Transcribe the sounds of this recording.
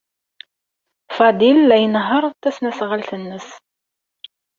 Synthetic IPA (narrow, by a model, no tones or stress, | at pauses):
fɑd̪ilːæjənɦəɾˤt̪ːæsnæsʁalθənːəs